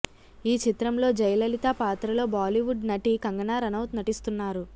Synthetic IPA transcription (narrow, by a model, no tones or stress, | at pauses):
iːt͡ʃit̪ɾɐmlo̞ːd͡ʒɐjɐlɐlit̪aːpaːt̪ɾɐlo̞ːbaːliʋuɖnɐʈikɐŋɡɐnaːɾɐnɐwt̪nɐʈist̪unːaːɾu